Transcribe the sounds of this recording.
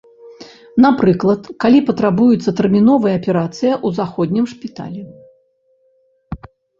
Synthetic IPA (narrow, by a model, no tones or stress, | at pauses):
napɾɨklˠɐt̪kalʲipɐt̪ɾabujut̪sːɐt̪ɛrmʲinɔvɐjɐːpʲɛɾat̪sɨjɐʔuzaxɔd̪ʲnʲimʂpʲit̪a̰lʲɛ